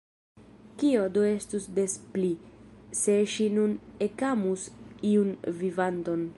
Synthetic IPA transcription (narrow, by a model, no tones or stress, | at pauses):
kio̞doe̞stusde̞splise̞ʃinune̞kamusiunvivant̪o̞n